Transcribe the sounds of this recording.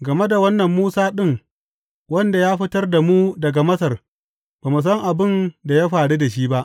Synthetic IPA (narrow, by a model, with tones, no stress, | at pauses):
ɡɐ˨me˦da˨wɐ˦nːɐ˨mːuː˦saː˦ɗɪ˦ŋ | wɐ˦nda˨jaː˦ɸɪ˦tɐ˦rda˨mu˦dɐ˨ɡa˨mɐ˦sɐ˨r | baː˨mu˨s̬ɐ˦ŋʔa˨bɪ˦nda˨ja˦ɸaː˨ɽu˦da˨ʃiː˦ba˦ʔ